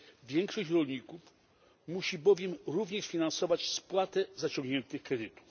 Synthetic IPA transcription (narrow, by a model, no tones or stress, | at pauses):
vʲjɛŋkʂɔɕt͡ɕɾɔlɲikuf | muɕibɔvʲjɛmɾuvɲɛʂfʲinansɔvat͡ɕspwat̪ɛzat͡ɕɔŋɡɲɛnt̪ɘxkɾɛd̪ɘt̪u̥f